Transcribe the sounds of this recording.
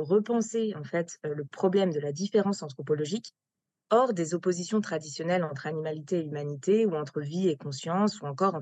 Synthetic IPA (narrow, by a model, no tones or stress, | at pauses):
ʁəpɑ̃seɑ̃fɛt̪ləpχɔblɛmd̪əlad̪ifeʁɑ̃sɑ̃t̪χɔpɔlɔʒik | ɔʁd̪ezɔpozisjɔ̃t̪χad̪isjɔnɛlɑ̃t̪χanimalit̪eːymanit̪euɑ̃t̪χəviekɔ̃sjɑ̃suɑ̃kɔʁɑ̃